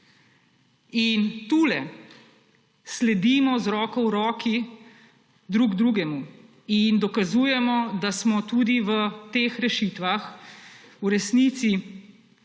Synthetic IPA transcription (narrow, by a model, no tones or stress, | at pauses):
int̪ulɛ | slɛd̪imɔzɾɔːkɔwɾɔːki | d̪ɾuːɡd̪ɾuːɡɛmu | ind̪ɔkazuːjɛmɔd̪asmɔt̪ud̪iʋət̪eːxɾɛʃit̪ʋax | uɾɛsnit̪si